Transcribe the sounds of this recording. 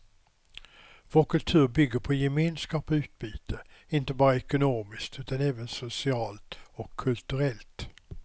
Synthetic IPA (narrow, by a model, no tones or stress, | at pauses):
voːɾkʰɵlt̪ʰʉ̟ːɾbʏɡːəɾpʰɔjɛmeːnskɑːpɔʉ̟ːt̪̚biːt̪ʰəɪnt̪əbɑːɾəɛkʊnoːmɪskt̪ʉ̟ːt̪anɛːvənsʊsɪɑːlt̪ɔkʰːɵlt̪ʉɾɛlt̪